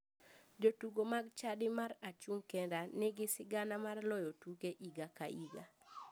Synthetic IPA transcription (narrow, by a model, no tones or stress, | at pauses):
d͡ʒotuɡomaɡt͡ʃadɪmaɾat͡ʃuŋkɛndanɪɡɪsɪɡanamarlɔjotukeʔiɡakaiɡa̰